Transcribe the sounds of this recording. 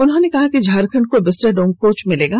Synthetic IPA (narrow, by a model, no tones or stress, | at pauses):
ʊnɦõːnekɐɦakid͡ʒʱaːɾkʰɐ̃ɳʈ̚kobɪsɾeɖõːŋkoːt͡ʃmɪleːɡaː